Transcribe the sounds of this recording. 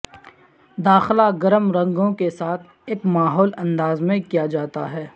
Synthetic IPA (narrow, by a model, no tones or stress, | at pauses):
d̪aːxlaɡɐɾəmɾɐ̃ŋɡõkesaːt̪ʰ | eːkmaːɦɔːlɐ̃nd̪aːzmẽkijad͡ʒaːt̪aɦɛː